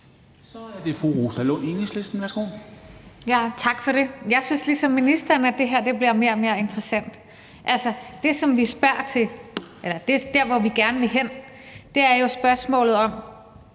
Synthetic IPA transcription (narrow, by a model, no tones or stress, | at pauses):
sɒ̽æɐd̥e̝fʁuʁoːsælɔ̰inisle̝sd̥n̩ʋæɐsɡ̥o̝̰ː | jæt͡sʰɑ̈ɡ̥fɒɾ̥e̝jɑ̈ɪsynslisɒ̽mːinisd̥ɐnæd̥e̝ɦeɐ̰d̥e̝b̥liɐme̝ːɐɒme̝ːɐe̝nd̥ʰʁɐsæn̰d̥ | ʔælsɐd̥e̝sɒ̽mʋisb̥æɐ̰t͡sʰe̝ʔelɐd̥e̝d̥æɐ̰ʋɒʋiɡ̥æɐnəʋe̝ɦen̰ | d̥e̝æɐjo̝sb̥ɶɐsmɔ̰̽ːlð̩ˠɒ̽m